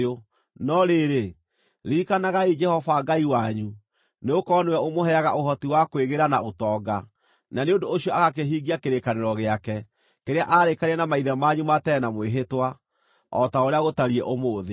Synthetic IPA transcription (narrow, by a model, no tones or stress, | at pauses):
o | nɔɾeɾe | ɾiːkanaɣaid͡ʒɛhɔvaɡaiwaɲu | neokɔːnewɛomoɦɛaɣa̰ʔoɦɔtiwakweɣeɾanaotɔɡa | naneondoːɕiɔaɣak̬eɦiːɡiakeɾekaneɾɔɣeakɛ | keɾeaʔaɾekaɾiɛnamaiðɛmaɲumatɛnamweɦetwa | ɔtaoɾeaɣotaɾiɛ̰ʔomoːðe